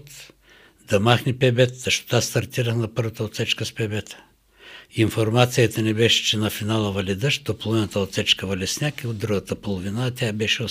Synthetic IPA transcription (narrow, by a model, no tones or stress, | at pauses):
t̪ | d̪ɐmaxnɛpɛbɛt̪t̪ɐʃt̪o̥t̪ast̪ɐɾt̪iɾəxnɐpɤɾvət̪əot̪sɛt͡ʃkəspɛbɛt̪ə̥ | infoɾmat̪sijət̪ɐnɛbɛʃɛ̥t͡ʃɛnɐfinalˠəvɐlʲɛd̪əʃd̪opolˠovinət̪əot̪sɛt͡ʃkəvɐlʲɛsnʲakiod̪d̪ɾuɡət̪əpolˠovinaːt̪ʲabɛʃɛo